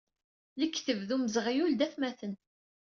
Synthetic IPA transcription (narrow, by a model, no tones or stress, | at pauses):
ləkːθəvðuməzʁijuld̪æθmæθən